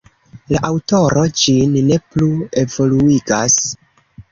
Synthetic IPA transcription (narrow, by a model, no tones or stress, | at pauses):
laʔawto̞ɾo̞d͡ʒinːe̞plue̞vo̞luiɡas